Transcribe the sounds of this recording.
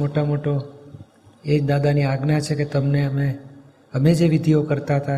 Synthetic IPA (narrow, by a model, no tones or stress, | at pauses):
moʈamoʈo | ed̪ad̪aniaɡnat͡ʃʰeket̪əmneəme | əmed͡ʒeʋid̪ʱiokəɾt̪aɦət̪a